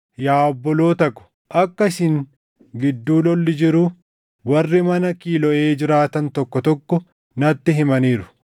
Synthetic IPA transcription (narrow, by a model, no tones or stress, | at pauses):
jaːbːɔlo̞ːt̪ɐkːʊ̥ | ʔɐkːɐsɪŋ | ɡɪd̪ːuːlɔlːɪd͡ʒɪɾʊ | wɐrːɪmɐnɐkiːlɔʔeːd͡ʒɪɾaːt̪ɐnt̪ɔkːɔt̪ɔkːɔ | nɐt̪ːɪɦɪmɐniːɾʊ̥